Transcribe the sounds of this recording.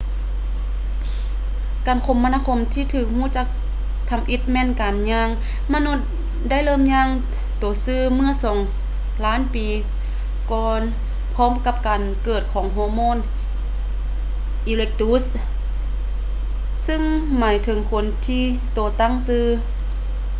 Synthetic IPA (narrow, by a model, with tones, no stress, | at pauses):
kaː˨˩nkʰo˧˦mːa˧naː˧kʰo˧˥˨mt̪ʰiː˧t̪ʰɯː˧˩k̚huː˧˩˨t͡ɕa˧˥k̚ | t̪ʰa˧˥mʔi˧˥t̪̚mɛː˧˥˨nkaː˨nɲaː˧˥˨ŋ | ma˧˥nu˧˥˩t̪̚ | da˥˨jlɤː˧˥˨mɲaː˧˨ŋ | t̪oː˨˩˦sɯː˧˩mɯ˧˥˨sɔː˨˩˦ŋ | laː˧˥˨npiː˨ | kɔː˧n | pʰɔː˧˥˨mka˧˥p̚kaː˨˩nkɤː˧˩t̪̚kʰɔː˨˦ŋɦoː˧moː˧˥˨n | ʔi˧le˧k̚t̪u˧˥s | sɯ˧˥˨ŋmaː˨˩˦jt̪ʰɤ˨˦ŋkʰo˧˥nt̪ʰiː˧˩ | t̪oː˨˩t̪a˧˥˩ŋsɯː˧˥